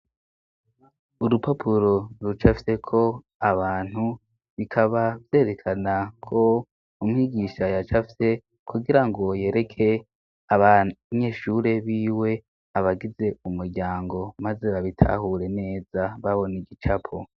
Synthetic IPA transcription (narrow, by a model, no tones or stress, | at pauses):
uɾupapʰuɾo̞ɾut͡ʃafise̞kʰo̞ | aβaːn̥hu | βikʰaβavje̞ːɾe̞kʰanakʰo̞ | umŋiːɡiːʃajat͡ʃafise̞ | kʰuɡiɾaŋɡo̞je̞ːɾe̞kʰe̞ | aaɲe̞ːʃuɾe̞βiːwe̞ | aβaɡize̞umuɾɟaːŋɡo̞maze̞βaβitʰa̰ɦuɾe̞ne̞ːzaβaβo̞niɡit͡ʃapʰo̰